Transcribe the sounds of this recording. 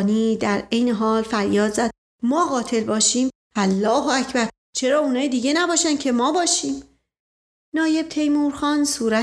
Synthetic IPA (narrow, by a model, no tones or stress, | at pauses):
niːd̪æɾejne̞ɦɒːlfæɾjɒːd̪zæd̪̥̚ | mɒːɣɒːt̪ʰe̞lbɒːʃiːm | ælːɒːɦoæcʰbæɾ | t͡ʃʰe̞ɾɒːunɒːjid̪iːɟe̞næbɒːʃænd̪cʰe̞mɒːbɒːʃiːm | nɒːje̞b̥̚t̪ʰe̞jmuɾxɒːnsuːɾæ